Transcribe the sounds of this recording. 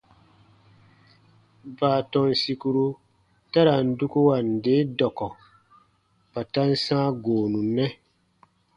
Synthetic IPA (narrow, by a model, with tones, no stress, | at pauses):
baː˨tɔ˨nsi˦ku˦ɾu˦ | ta˦ɾa˨n̩˨du˦ku˦wa˨nde˨˦dɔ˨kɔ˨ | pa˨ta˦nsãː˦ɡoː˨nũ˨nɛ˦